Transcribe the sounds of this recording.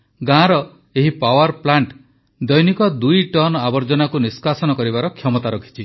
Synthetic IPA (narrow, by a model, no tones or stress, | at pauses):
ɡãɾɔ | eɦipawaɾplaɳʈ | d̪ɔjnikɔd̪ujʈɔnabɔɾd͡ʒɔnakuniskasɔnɔkɔɾibaɾɔkʰjɔmɔt̪aɾɔkʰi̥t͡ʃʰi